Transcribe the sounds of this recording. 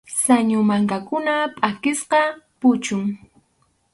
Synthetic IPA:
saɲʊmaŋkakʊnapʼakɪsqɑpʊt͡ʃʊŋ

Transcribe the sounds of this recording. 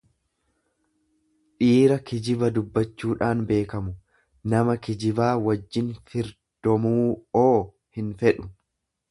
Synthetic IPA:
ᶑiːɾɐkɪd͡ʒɪbɐd̪ʊbːɐt͡ʃːuːᶑaːnbe̞ːkɐmʊ | nɐmɐkɪd͡ʒɪbaːwɐd͡ʒːɪnfɪɾ | d̪̥ɔmuːoː | hɪnfɛᶑʊ̥

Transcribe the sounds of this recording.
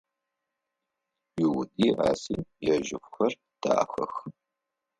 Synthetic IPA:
jɪwʊdʼiːʔa̰ːsiːjɛʒɪ̰xʷxɐr | d̥a̰ːxɐ̰x

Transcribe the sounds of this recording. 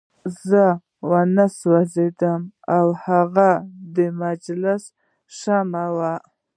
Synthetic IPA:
zə | wanaswazed̪əmawhaɣad̪əmad͡ʒlɪs | ʂamawa

